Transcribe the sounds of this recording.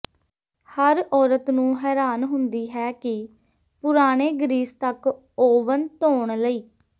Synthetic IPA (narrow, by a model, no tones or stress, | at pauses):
həɾɔːɾət̪nũːɦɛːɾaːnɦʊnd̪iːɦɛːkɪ | pʊɾaːɽ̃eːɡɾiːst̪ək | oːʋənt̪oːɳləiː